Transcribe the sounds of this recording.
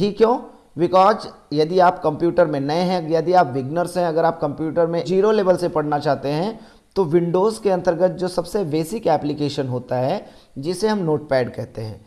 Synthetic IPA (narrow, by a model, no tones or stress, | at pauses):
ʈʰiːkːjõː | bɪkɔːzjɐd̪iaːpkɐ̃mpjuːʈəɾmẽnɐeɦɛ̃jɐd̪iaːpʋɪɡnəɾsɦɛ̃ɐɡəɾaːp̚kɐ̃mpjuːʈəɾmẽd͡ʒiːɾoleːʋəlsepɐɽnat͡ʃaːɦt̪eɦɛ̃ | t̪oʋɪ̃ɳɖoːzkeɐ̃nt̪əɾɡət̪̚d͡ʒoːsɐbsebeːsɪkɛːplɪkeːʃənɦoːt̪aɦɛ | d͡ʒɪseɦɐmnoːʈ̚pɛːɖkɛɦt̪eɦɛ̰̃ː